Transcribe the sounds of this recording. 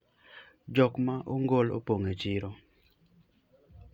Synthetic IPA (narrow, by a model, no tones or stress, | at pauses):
d͡ʒɔkmaʔoŋɡolo̰poŋet͡ʃiɾɔ